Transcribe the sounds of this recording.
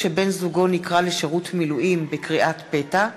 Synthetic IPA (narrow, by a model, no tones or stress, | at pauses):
ʃebe̞nzuɡo̞nikʁaleʃeʁutmiluʔimbekʁiʔat̪pe̞ta